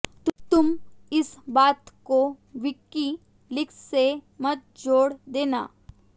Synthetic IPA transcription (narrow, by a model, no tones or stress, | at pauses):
t̪t̪ʊmɪsbaːt̪ko | ʋɪkːi | lɪkssemɐt̪̚d͡ʒoːɽd̪eːna̰ː